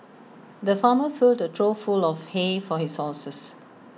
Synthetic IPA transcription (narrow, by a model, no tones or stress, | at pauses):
d̪əfaːməfɪldətʰɹofulɔfhefɔhishɔsəs